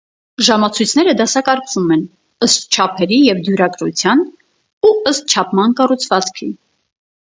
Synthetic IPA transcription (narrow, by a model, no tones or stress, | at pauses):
ʒɑmɑt͡sʰujt͡sʰnɛɾəd̪ɑsɑkɑɾkvumɛn | əst̪̚t͡ʃʰɑpʰɛɾijɛvd̪juɾɑkɾṵt͡sʰjɑn | uəst̪̚t͡ʃʰɑpʰmɑnkɑrut͡sʰvɑt͡skʰi